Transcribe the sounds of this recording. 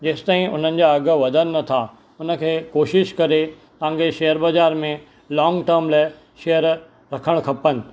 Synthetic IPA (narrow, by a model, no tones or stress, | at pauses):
d͡ʑeːsɪ̥t̪aːɦĩʊ̰n̤ənɪ̆d͡ʑaɐɡ̆ʋɐd̪ʱənɪ̆ːɐt̪ʰa | ʊnə̆kʰeːkoːʃɪʃkɐɾe | t̪ɐãŋɡeʃeːəɾbɐd͡ʑaːɾmẽ | lɔːŋɡʈəɾmlaːɪ | ʃejəɾ | ɾɐkʰəɽ̃kʰɐpənɪ̆